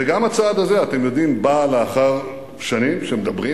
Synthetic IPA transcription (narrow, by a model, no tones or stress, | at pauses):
eɡamat͡saːd̪aze̞at̪e̞mjo̞d̪imbaleaχaʁ | ʃanimʃemed̪abʁi